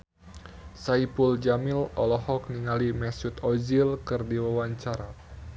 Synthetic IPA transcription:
saipuld͡ʒamɪlɔlɔhɔk̚niŋalimɛsut̪ɔzilkɨrdiwawaɲt͡ʃaɾa

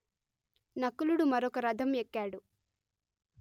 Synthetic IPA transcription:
nɐkːuluɽumɐɾɔkɐɾɐd̪ʱɐmekːaːɽu

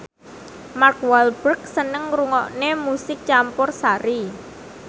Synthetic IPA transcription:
markwalbərksənəŋɾuŋɔʔnemusɪk̚t͡ʃampʊrsaɾi

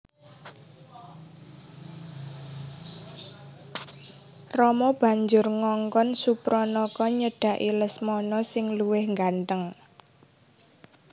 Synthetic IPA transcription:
rɔmɔb̥a̤ɲd͡ʒʊrŋɔŋkɔnsupɾɔnɔkɔɲəɖ̥ä̤ʔiləsmɔnɔsɪŋluwɪhŋɡanʈ̪əŋ

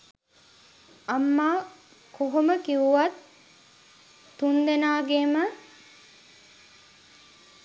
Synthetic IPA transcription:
amːaː | koɦoməkiuʋat̪ | und̪enaːɡemə

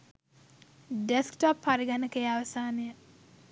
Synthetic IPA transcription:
ɖeskʈapːaɾiɡanəkejaʋɐsaːnejə

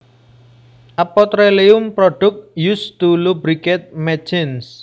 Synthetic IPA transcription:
ʔapɔt̪ɾeleʊmpɾɔɖ̥ʊk̚just̪ulubɾikɛt̪̚mɛt͡ʃɪns

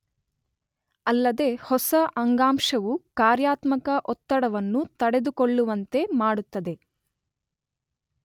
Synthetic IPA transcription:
ɐlːɐd̪e̞hɔsɐʔɐŋɡaːmʂɐʋukaːɾjaːt̪mɐkɐʔɔt̪ːɐɽɐʋɐnːut̪ɐɽe̞d̪ukoɭːuʋɐnt̪e̞maːɽut̪ːɐd̪e̞

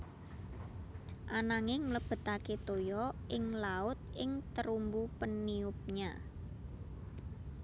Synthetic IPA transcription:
ʔanaŋɪŋmləb̥ə̤t̪aket̪ojɔʔɪŋlaʊt̪̚ɪŋt̪əɾumbupəniʊp̚ɲa

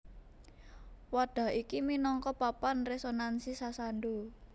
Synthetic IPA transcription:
waɖ̥a̤ʔikiminɔŋkɔpapanresonansisasanɖo

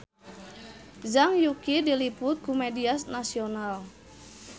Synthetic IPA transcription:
zaŋjukidilipʊt̪̚kumediasnasional

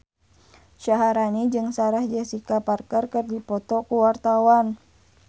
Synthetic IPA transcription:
ʃaɦaɾanid͡ʒɨŋsaɾahd͡ʒɛsikaparkərkərdipɔt̪ɔkuwart̪awan

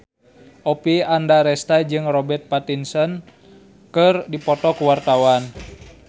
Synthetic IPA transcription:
ʔɔpiandaɾɛst̪ad͡ʒɨŋrɔbɛrt̪̚pat̪insɔn | kɨrdipɔt̪ɔkuwart̪awan

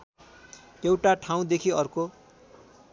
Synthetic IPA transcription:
ewʈaʈʰaw̃d̪ekʰiʌrko

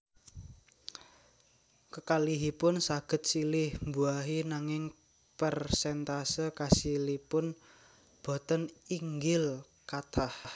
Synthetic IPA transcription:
kəkaliɦipʊnsaɡ̥ə̤t̪̚silɪhmbuaɦinaŋɪŋ | pərsɛnt̪asəkasilipʊn | b̥o̤t̪əniŋɡɪl | kat̪ʰah

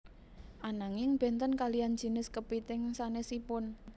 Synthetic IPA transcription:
ʔanaŋɪŋb̥ɛ̤nt̪ənkalian̥d͡ʒ̥i̤nɪskəpit̪ɪŋsanesipʊn

